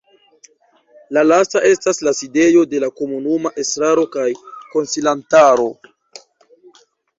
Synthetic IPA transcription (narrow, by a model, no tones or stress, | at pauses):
lalastaʔe̞staslaside̞jo̞de̞lako̞munumaʔe̞stɾaɾo̞kajko̞nsilantaɾo̞